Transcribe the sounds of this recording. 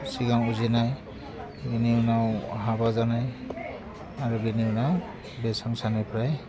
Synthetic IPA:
siɡaŋuzinaj | ɡiniunaɦabazanaj | aɹuɡiniunaw | bɛsaŋsanipʰɹaj

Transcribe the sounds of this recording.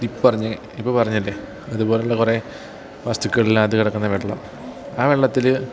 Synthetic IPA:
ipːpɐrɐɲːɨ | ipːoːpɐrɐɲːilːe | ɐðubo̞ːleuɭːɐkure̞ | ʋɐst̪ukʲːɣɐɭilːaːt̪ɨkiɽɐkːunːɐʋeɭːɐm | aːʋeɭːɐt̪ːil

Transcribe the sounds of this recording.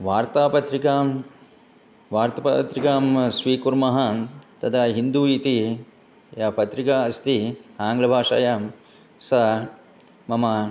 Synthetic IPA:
ʋaːɾt̪aːpɐt̪ɾikaːm | ʋaːɾt̪ɐpɐt̪ɾikaːmsʋiːkuɾmɐɦɐt̪ɐd̪ʰɐɦind̪uːit̪i | japɐt̪ɾikaɐst̪iaːŋɡlɐbʱaːʂa̰ːjaːm | sɐ | mɐmɐ

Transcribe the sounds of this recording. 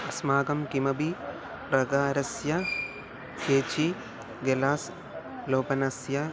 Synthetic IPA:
ɐsmaːɡɐmkimɐbi | ɾɐɡaːɾɐsjɐ | keːt͡ʃi | ɡelaːs | loːpɐnɐsjɐ

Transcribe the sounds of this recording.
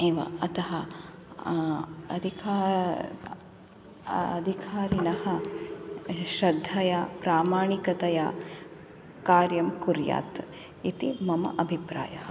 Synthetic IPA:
eːʋɐ̰ɐt̪ɐɦɐ | ɐ̰d̪ʱikaː | ɐ̰d̪ʱikʰaːɾinɐhɐ | ʃɾɐd̪ʱːɐjaːpɾaːmaːɳikɐt̪ɐjaː | kaːɾjɐmkuɾja̰ːt̪ | it̪imɐmɐ̰ʔɐbʱipɾa̰ːjɐhɐ

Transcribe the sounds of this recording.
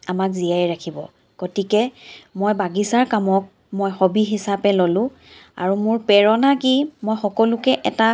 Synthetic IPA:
amakzijajɹakʰibɔ̰ | ɡ̥otikɛmojbaɡisaɹkamɔk̚ | mojxobiɦisapɛlolʊ̃ | a̰ɹumʊɹpɛɹɔnakimojxɔkɔlʊkɛʔɛta

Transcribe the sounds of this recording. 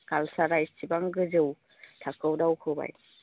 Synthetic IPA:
kalsaɾajsibaŋɡɯzɯw | tʰakʰɯwdawkʰɯwba̰j

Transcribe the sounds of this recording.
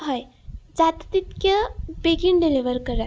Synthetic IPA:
ɦəjd͡ʒat̪t̪it̪kəbeɡinɖiliʋəɾkəɾa

